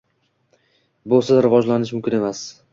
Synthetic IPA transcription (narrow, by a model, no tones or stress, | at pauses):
bolˠsazɾɪvɒd͡ʒlanɪʃ̬mʊmkʲɪne̞mas